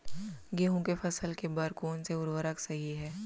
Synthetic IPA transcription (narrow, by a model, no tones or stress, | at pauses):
ɡeɦõkefʰɐsəlkebɐɾkoːnseʊɾʋəɾəksɐɦiɦɛː